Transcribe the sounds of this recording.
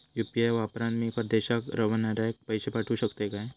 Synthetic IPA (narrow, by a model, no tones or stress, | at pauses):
jupiajʋapɾãnmĩpəɾd̪eɕakɾəʋənaɾak̚pəjsepaʈʰuɕəkt̪ekae